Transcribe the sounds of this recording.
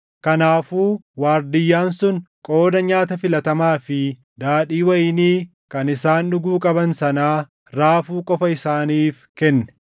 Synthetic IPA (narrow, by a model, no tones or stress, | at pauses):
kɐnaːfuːwaːɾd̪ɪjːaːnsʊnkʼo̞ːd̪ɐɲaːt̪ɐfɪlɐt̪ɐmaːfɪ | d̪aːᶑiːwɐjɪniː | kɐnɪsaːnᶑʊɡuːkʼɐbɐnsɐnaː | ɾaːfuːkʼɔfɐɪsaːniːfkɛnːɛ̥